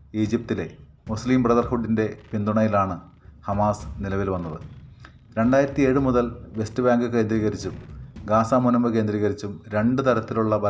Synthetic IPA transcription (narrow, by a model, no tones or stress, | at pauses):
iːd͡ʑip̚t̪ile̞ | musliːmprɐðɐrhuɖːinde̞pind̪uɳɐjilaːɳɨ | hɐmaːsnilɐʋilʋɐnːɐðɨ | ɾe̞ɳɖaːjiɾɐt̪ːie̞ːɻɨmuðɐlʋe̞stɨbjaːŋɡɨke̞ːnd̪riːɣɐɾit͡ɕːumɡaːsaːmunɐmːɨke̞ːnd̪riːɣɐɾit͡ɕːumɾe̞ɳɖɨt̪ɐɾɐt̪ːiluɭːɐbɐ